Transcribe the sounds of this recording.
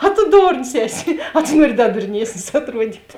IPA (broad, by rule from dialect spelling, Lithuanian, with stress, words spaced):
ɐ tʊ ˈdoːrns ˈæːˌsʲɪ ɐ tʊ ˈnuɔrʲɪ ˈdɐ dʊrʲˈnʲiɛsʲnʲɪs ɐtˈruɔdʲiːtʲ